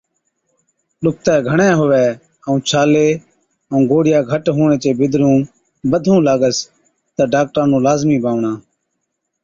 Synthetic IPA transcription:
ɗʊk̚t̪ɛːɡʱəɳẽːɦʊʋɛː | əũːt͡ʃʰaːleː | əũːɡoːɽɪjaːɡʱəʈɦuːɳ̃ẽːt͡ʃeːbɪd̪ɾũː | bəd̪ʱũːlaːɠəs | t̪aːɖaːk̚ʈɾãːnũːlaːzmiːbaːʋɳãː

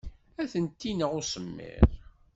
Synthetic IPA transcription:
æθənt̪ːinəʁʊsəmːḭɾ

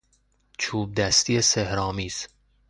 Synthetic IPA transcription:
t͡ʃʰuːb̚d̪æst̪iːesehɾɒːmiːz̥

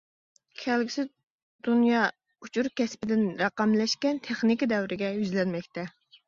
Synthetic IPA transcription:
kʲʰælɡʲisɪ | d̪unjɑ | ut͡ʃʰuɾkʲɛspɪd̪ɪnɾɑqɑmlɛʃkʲɛnt̪ʰeχnɪkʲid̪ɛwɾɪɡʲɛjyzlɛnmɛkʲt̪ɛ

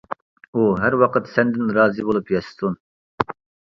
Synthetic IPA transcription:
uɦæɾwɑqʰət̪sɛnd̪ɪnɾɑːzɨbolˠupjɑsɨ̥t̪ʰun

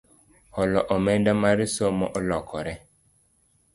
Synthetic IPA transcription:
ɔlɔʔɔmɛndamaɾisomɔʔɔlɔkʰɔɾɛ

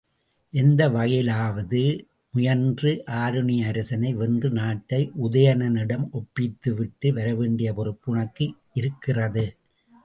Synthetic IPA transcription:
ʔɛnd̪ɐʋɐɣɐjɪlaːʋɐðɯ | mʊjɐndrɯʔaːɾɯɳɪjɐːɾɐsɐnɐɪʋɛndrɯnaːʈːɐɪʔʊðɐjɐnɐnɪɽɐmʔɔpːɪt̪ːɯʋɪʈːɯʋɐɾɐʋeːɳɖɪjɐpɔɾɯpːɯɳɐkːɯʔɪɾɯkːɪrɐðɯ

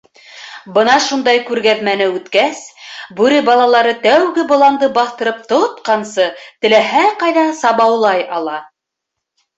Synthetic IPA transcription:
bɤnɑʃund̪ɑjkʉɾɡæðmænɘʉt̪kæsbʉɾɘbɑlˠɑlˠɑɾɤt̪æwɡɘbŏlˠɑnd̪ɤbɑθt̪ɤ̆ɾɤp̚t̪ot̪̚qɑnsɤt̪ɘ̆læɦæqɑjðɑsɑβɑwlˠɑjɑlˠɑ

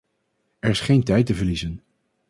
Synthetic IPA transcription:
ɛɹɪsχejntɛjtəvəɹlizən

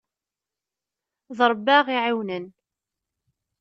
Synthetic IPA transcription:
ðɾˤəbːaʁiʕiwnən

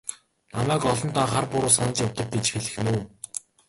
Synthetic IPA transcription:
namæːkɔɮɞ̆nt̪aːχarpʊɾʊːsanə̆t͡ɕjawt̪ə̆k̚t̪et͡ɕxeɮɘ̆xnuː

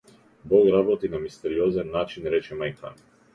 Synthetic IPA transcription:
boɡɾabot̪inamist̪ɛɾiozɛnːat͡ʃinɾɛt͡ʃɛmajkʰa̰n

